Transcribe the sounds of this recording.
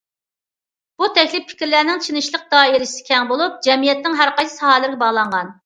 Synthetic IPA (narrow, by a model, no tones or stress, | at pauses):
b̥ut̪ʰɛkʲlɪpʰɪ̥kʲɾlæɾnɪŋt͡ʃʰinɨʃlˠəq̚d̪ɑːiɾɪsɪ̥kʲʰɛŋbolˠup̚d͡ʒɛmijɛt̪nɪŋɦæɾqɑjsɨ̥sɑhɑːlɪɾɡʲɛbɑʁlˠɑɴʁɑn